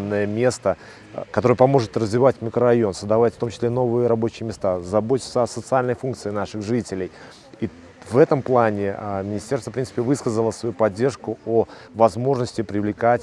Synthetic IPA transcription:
nːəjəmʲe̞st̪ə | kɐt̪o̞ɾəjəpɐmo̞ʐɨt̪rəzvʲɪvatʲmʲɪkɾərɐjo̞nsəzd̪ɐvatʲft̪o̞mt͡ɕɪsʲlʲeno̞vɨjəɾɐbo̞t͡ɕɪjəmʲɪst̪azɐbotʲɪ̥t̪səɐsət̪sɨalʲnəjfunk̚t̪sɨɪnaʂɨxʐɨtʲɪlʲɪj | i | vɛt̪əmplˠanʲɪmʲɪnʲɪsʲtʲe̞rst̪əfpɾʲinsɨ̥pʲɪvɨskəzəlˠəsvɐjupɐdʲːe̞rʂkʊo | vɐzmo̞ʐnəsʲtʲɪpɾʲɪvlʲɪkatʲ

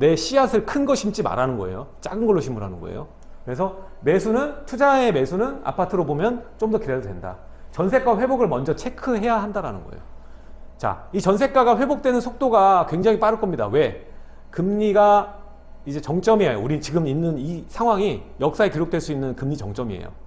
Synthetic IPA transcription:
ne̞ɕ͈ʰiasʰɯɭkʰɯnɡʌɕʰimt͡ɕ͈ima̰ɾanɯnɡʌ̰e̞̰jot͡ɕ͈aɡɯnɡʌɭːoɕʰimːuɾɦanɯnɡʌ̰ḛjo̰ | kɯɾe̞s̬ʰʌ | me̞sʰunɯntʰud͡ʑaeme̞sʰunɯna̰pʰatʰɯɾobomjʌnt͡ɕ͈omdʌkideɾdwe̞̰nda̰ | t͡ɕʌnsʰe̞k͈waɸwe̞boɡɯɭmʌnd͡ʑʌt͡ɕʰe̞kʰɯɦe̞jaɦandaɾanɯnɡʌ̰ḛjo | t͡ɕa̰it͡ɕʌnsʰe̞k͈aɡaɸwe̞bok̚t͈we̞nɯnsʰok̚t͈oɡakwe̞ŋd͡ʑaŋip͈aɾɯɭk͈ʌmɲida̰we̞ | kɯmɲiɡa | id͡ʑe̞t͡ɕʌŋt͡ɕ͈ʌmiejo̰uɾit͡ɕiɡɯminːɯnisʰaŋɦwaŋijʌk̚s͈aekiɾok̚t͈we̞ɭs͈uinːɯnkɯmɲit͡ɕʌ̰ŋt͡ɕ͈ʌmiḛjo̰

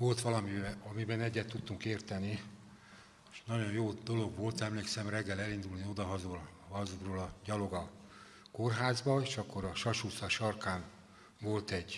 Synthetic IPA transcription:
ʋo̞lt̪ʋɒlɒmiɒmibɛnɛɟːɛt̪ːut̪ːuŋkeːrt̪ɛni | eʃnɒɟo̞jjoːd̪o̞lo̞ɡʋo̞lt̪ɛmleːksɛmrɛɡːɛlɛlind̪ulnio̞d̪ɒɦɒzolhɒzuroːlɒɟɒlo̞ɡɒ | ko̞rɦaːzbɒeːʃɒkːo̞ɾɒʃɒʃuːsɒʃɒrkaːn | vo̞lt̪ɛɟ

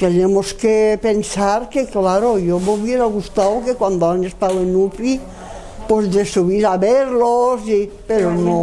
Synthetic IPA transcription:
t̪enemoskepensaɾkeklaɾojomuβjeɾaɣust̪awkekwand̪oanest̪awenufi | pozd̪esuβiɾaβeɾlosi | peɾono

